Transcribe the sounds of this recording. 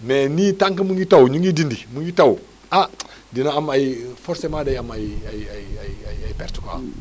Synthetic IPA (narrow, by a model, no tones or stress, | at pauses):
menitaŋkəmuŋɡitawɲuŋɡidindimuŋɡitawu | a | dinaamajfɔɾsemadajamaiaaaiajajpɛɾti̥ko̰